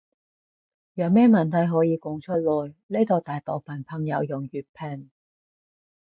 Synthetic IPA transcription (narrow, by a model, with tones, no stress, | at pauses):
jɐ˨˧wmɛː˥mɐ˨˩nt̪ʰɐ˨˥jɦɔː˨˥jiː˨˧kʊ˨ŋt͡ʃʰɵ˥t̚lɔː˨˩jle˥t̪o˨wt̪aː˨jt̪ɔː˨wfɐ˨˩npʰɐ˨ŋjɐ˨˧wjʊ˨˩ŋjyː˨˩t̚pʰɛː˨˩ŋ